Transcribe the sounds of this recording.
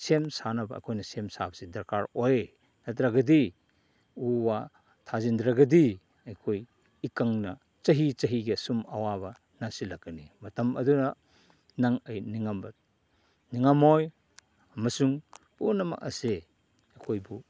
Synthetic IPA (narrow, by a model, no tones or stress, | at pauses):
semsanɐbɐɐ̰kʰojnɐsemsabɐsidɐɾkaɾoj | nɐtʰɾaɡɐdi | uwa | tʰazindɾaɡɐdi | ɐjkʰoj | ikɐŋnɐ | t͡ʃɐɦit͡ʃɐɦiɡɐsumɐwabɐ | nasilɐkːɐnimɐtɐmɐ̰dunɐ | naŋɐjniŋambɐ | niŋamoj | ɐmɐsuŋpunɐmɐ̰k̚ɐ̰se | ɐkʰojbu